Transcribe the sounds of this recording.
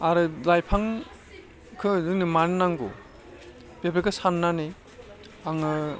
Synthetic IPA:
aɾɯlajpʰaŋ | kʰɯzɯŋnɯmanɯnaŋɡo̰ | b̥ebɾekɯsanːani | aŋɯ

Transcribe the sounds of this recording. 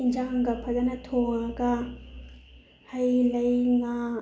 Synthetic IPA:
ind͡ʒaŋɡɐpʰɐdɐnɐtʰoŋɐɡɐ | hɐjlɐjŋa

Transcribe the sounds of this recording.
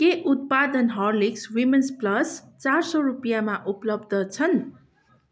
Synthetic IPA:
keʔut̪̚pad̪ʌnɦʌrlikswimensplʌs | t͡sarsʌɾupijamaʔuplʌbd̪ʌt͡sʰʌn

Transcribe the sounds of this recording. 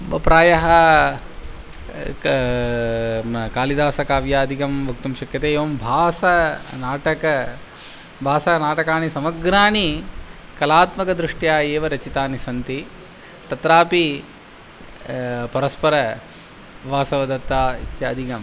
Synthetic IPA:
pɾaːjɐɦɐ | kaːlid̪aːsɐkaːʋjaːɐd̪ʱikɐmʋɐk̚t̪umʃɐkjɐt̪eːeːʋɐmbʱaːsɐnaːʈɐkɐ | bʱaːsɐnaːʈɐkaːɳisɐmɐɡɾaːɳi | kɐlaːt̪mɐkɐd̪ɾuʂʈjaːeːʋɐɾɐt͡ʃit̪aːnisɐnt̪i | t̪ɐt̪ɾaːpi | pɐɾɐspɐɾɐ | ʋaːsɐʋɐd̪ɐt̪ːaːtjɐɐd̪ʱikɐm

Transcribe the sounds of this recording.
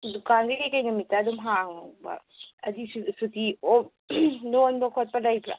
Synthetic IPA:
dukanɡikajkajnɐmitːaːdumɦaŋbɐ̰ | ɐdissutio | nonbɐkʰot̚pɐlɐjpʰɾa̰

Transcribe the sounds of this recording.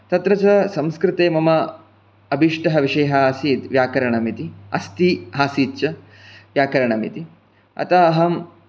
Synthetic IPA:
t̪ɐt̪ɾɐt͡ʃɐsɐmskɾɪt̪eːmɐmɐ | ɐbʱiʂʈɐɦɐʋiʂɐjɦɐɐsiːt̪ʋjaːkɐɾɐɳɐmit̪iɐ̰st̪iɦaːsiːt̪t͡ʃɐ | ʋjaːkɐɾɐɳɐmḭt̪i | ɐ̰t̪aɦɐm

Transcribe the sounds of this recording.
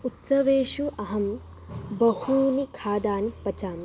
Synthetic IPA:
ut̪sɐʋeːʃuʔɐɦɐm | bɐhuːnikʰaːd̪aːnipːɐt͡ʃaːm

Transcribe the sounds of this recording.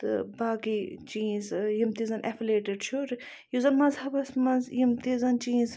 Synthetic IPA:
t̪ɨ̰baːkit͡ʃĩːzjimt̪izɐnʔḛfleːʈeɖt͡ʃʰuɾ | juzɐnmɐzhɐbɐsmɐzjimt̪izɐnt͡ʃĩːnz

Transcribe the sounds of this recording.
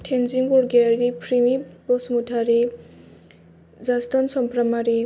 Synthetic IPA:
tʰenziŋɡɔɾɡeaɾipʰɾimibɔsmutʰaɾi | zastɔnsɔmpɾamaɾi

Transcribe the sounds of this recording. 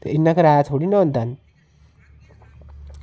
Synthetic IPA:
t̪inːakəɾajat̪ʰoɽinɔnt̪an

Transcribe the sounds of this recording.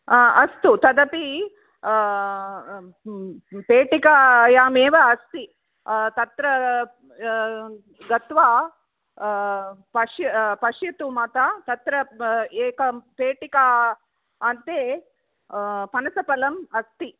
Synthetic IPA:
ɐst̪ut̪ɐd̪ɐpi | peːʈikajaːmeːʋɐːst̪i | t̪ɐt̪ɾɐ | ɡɐt̪ʋaː | pɐʂjɐpɐʂjɐt̪umɐt̪at̪ɐt̪ɾɐeːkɐpeːʈikaː | nt̪eː | pɐnɐsɐpɐlɐmɐst̪i

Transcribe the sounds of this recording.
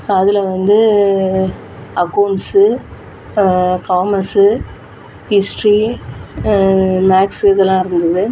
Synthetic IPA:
ɐðɪlɐʋɐnd̪ɯ | ɐkɐʊɳsɯ | kaːmɐsɯ | hɪsʈɾi | maːksɪðɛlːãːɪɾɯnd̪ɐðɯ

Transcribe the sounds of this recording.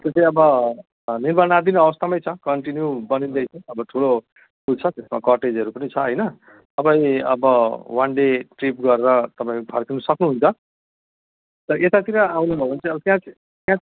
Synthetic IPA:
t̪ot͡saĩʌbʌ | nirmanad̪inuʌbʌst̪amʌjt͡sʰʌkʌɳʈinjubʌnind̪ʌjt͡sʰʌ̃ʌbʌʈʰulo | kʰult͡sʰʌt̪esmakʌʈed͡zʌɾupʌnit͡sʰʌʌjnʌ | t̪ʌpãj̃ʌ̰bʌwʌnɖeʈrip̚ɡʌɾeɾʌt̪ʌpãĩpʰarkinʌsʌknuɦunt͡sʰʌ | t̪ʌʌʔet̪at̪iɾʌawnubʱʌbʌnt͡saʌbʌt̪jãt͡s | tjã

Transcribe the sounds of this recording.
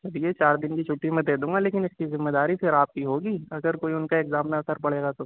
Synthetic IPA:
sɐbijet͡ʃaːɾd̪ɪnkit͡ʃʰʊʈːimẽd̪eːd̪ũːŋɡaleːkɪnɪskizɪmːed̪aːɾifʰɪɾaːp̚kiɦoːɡiːɐɡəɾkoːiʊnkaeːkzaːmneɐsəɾpɐɽ̤eːɡat̪oː

